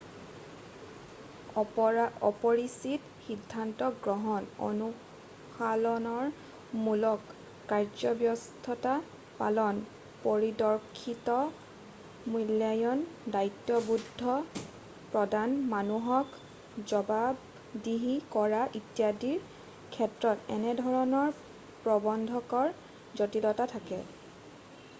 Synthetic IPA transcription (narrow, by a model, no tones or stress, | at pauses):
ɔpɔɹisit | xidʱːantɔɡɹɔɦɔno̰nu | xʰalɔnɔɹ | mulɔkː | aɹd͡ʒɔbjɔstʰɔta | pa̰lɔn | poɹidɔɹkʰitɔ | muljajɔndajtːjɔbudʱːɔ | pɹɔdanmanuɦɔk | zɔbab | diɦikɔɹaʔitijadiɹ | kʰɛtɹɔtɛnɛdʱɔɹɔnɔɹ | pɹɔbɔndʱɔkɔɹ | zotidɔtatʰakɛ